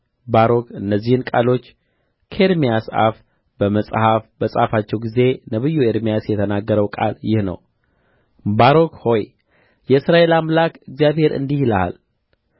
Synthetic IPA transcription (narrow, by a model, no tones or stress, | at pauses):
baɾo̞kʰɨnːəzːihɨnkʼa̰lo̞t͡ʃː | kʰəeɾmijasa̰f | bəməsʼhafbəsʼhafat͡ʃːɛwɡize̞nəβɨjːueɾmijasjɛt̪ʰənaɡːəɾəwkʼa̰ljɪhnə̰w | baɾo̞kho̞j | jɛɨsɾaʔe̞lamlakɨɡzijaβhe̞ɾʔɨ̰nd̪ihlaa̰l